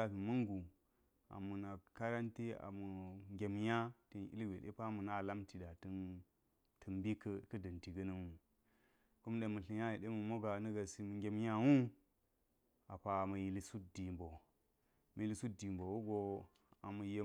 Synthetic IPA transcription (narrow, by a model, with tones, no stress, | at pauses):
a˨fi˨mə˦ŋɡu˨ | a̰˨mu˨na˨ka˦ɾa˦nte˦a̰˨mu˨ŋɡʲe˨mja˦te˦nʔḭ˦lɡʷe˨ɗḛ˦pa˦mə˨na˦˨la˦mti˨da˨tə˦n | tʰə˨mbi˦kə˦kə˦də˨nti˨ɡɐ˦nə˦wu˦˨ | ko˦m˦ɗe˨mə˨ɬi˨ja˦ji˨ɗe˦mə˨mo˦ɡa˨nə˦ɡa˨si˨mə˨ŋɡʲe˨m˦ja˦wu˦ | a˨pa˨mə˨ji˨li˨su˦t̚di˨mbo˨ | mə˨ji˨li˨su˦di˨mbo˨wo˦ɡo˨ | a˨mə˨je˨